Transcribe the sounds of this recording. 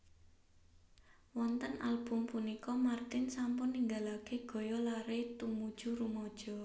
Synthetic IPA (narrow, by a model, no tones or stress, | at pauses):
wɔnt̪ənalb̥ʊmpunikɔmart̪ɪnsampʊnːiŋɡalaɡ̥e̤ɡ̥ɔ̤jɔlaɾet̪umud̥ʒ̥uɾumɔd̥ʒ̥ɔ̤